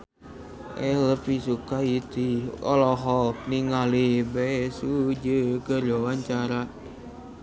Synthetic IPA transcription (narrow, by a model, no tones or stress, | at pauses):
ʔɛləpisukait̪iɔ̰lɔɦɔk̚niŋalibɛsud͡ʒəkəd͡ʒɔwaɲt͡ʃaɾa